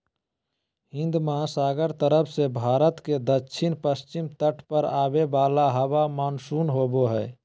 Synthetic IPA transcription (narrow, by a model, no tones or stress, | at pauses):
ɦɪ̃nd̪məɦasaːɡəɾt̪əɾəpʰsebʱaːɾət̪ked̪əːʃʰɪnpəst͡ʃɪmt̪əʈʰpəɾaːbebaːlaɦəbamaːnsunɦoːboɦɛː